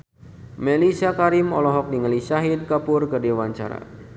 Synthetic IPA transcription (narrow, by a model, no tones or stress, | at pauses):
melisiakaɾimɔlɔɦɔk̚niŋəlisaɦɪd̪̚kapʊrkədewant͡ʃa̰ɾa̰